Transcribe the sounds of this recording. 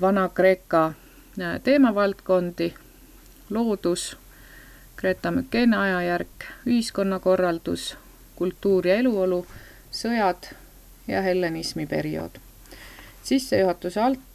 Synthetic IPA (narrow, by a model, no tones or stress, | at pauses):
vɑnɑkre̞ːkːˑɑ | t̪e̞ːmɑvɑlt̪ko̞nd̪̥i | lo̞ːd̪̥us | kɾe̞ːt̪ːˑɑmykːe̞neɑjɑjærkːˑyhisko̞nːɑko̞rːɑld̪̥ṵs | kult̪ːuːɾjɑe̞luo̞lu | sɤjɑd̪̥ | jɑ̰ɦe̞lːenismipe̞ɾio̞̰d̪̥ | sisːe̞juɦɑt̪ːˑuseɑlt̪ː